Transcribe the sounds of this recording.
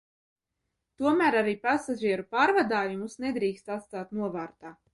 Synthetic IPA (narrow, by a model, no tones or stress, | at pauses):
t̪uɔmæːɾaɾiːpasaʒiɛɾupaːɾvad̪aːjumusned̪ɾiːkst̪at̪st̪aːt̪nuɔvaːɾt̪aː